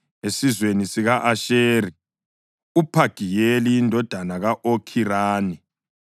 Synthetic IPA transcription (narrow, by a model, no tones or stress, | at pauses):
esizwenisiɣaʔaʃeːɾi | upʰaɡ̥ʱijelijindʱɔd̥ʱanaɣaʔokʰiɾaːni